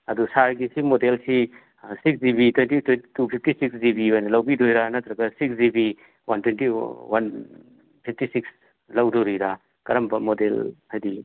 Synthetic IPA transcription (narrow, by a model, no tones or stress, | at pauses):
ɐdusaɾɡisimodelsi | siksdibitwentitwenitupʰip̚ʰtisiksdibiojnɐlɐwbidojɾanɐt̪ɾɐɡɐsiksdibi | wantwentiwan | pʰip̚ʰtisiks | lɐwdoɾijɾa | kɐɾɐmbɐmodelhajdi